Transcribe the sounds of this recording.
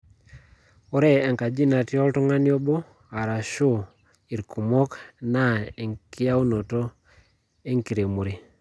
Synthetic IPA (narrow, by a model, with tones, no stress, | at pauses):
ɔ˦ɾe˦ɛ˨ŋka˨d͡ʒi˦na˨tjɔ˦ltɔ˦ŋa˦njɔ˦bɔ˦ | a˨ɾa˨ʃu˦ | i˨ɾkʰu˨mɔ˦kna˦˨e˨ŋkʰi˦ja˦u˦no˨to˦ | e˦ŋki˨ɾe˨mu˨ɾi˨